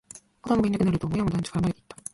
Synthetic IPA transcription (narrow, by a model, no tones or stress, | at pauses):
kod̪amboinakɯ̟naɾɯ̟t̪oːmojamod̪ãɲt͡ɕi̥kaɾamaɾet̪ei̥t̪ːa